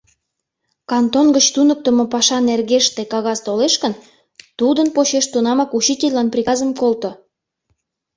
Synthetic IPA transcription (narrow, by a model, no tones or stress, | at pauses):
kɑnt̪onɡət͡ɕt̪unək̚t̪ə̆mopɑʃɑnerɣeʃt̪ekɑɣɑzt̪oleʃkən | t̪ud̪ənpot͡ɕeʃt̪unɑmɑkut͡ɕitʲelʲlɑnprʲikɑzəmkolt̪o